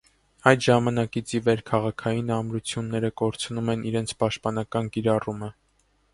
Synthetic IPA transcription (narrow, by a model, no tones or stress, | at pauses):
ɑjt̪ʒɑmɑnɑkit͡sʰivɛɾkʰɑʁɑkʰɑjinɑmɾut͡sʰjunːɛɾəkɔɾt͡sʰnumɛnʔiɾɛnt͡sʰpɑʃt̪̚pɑnɑkɑnkiɾɑrumə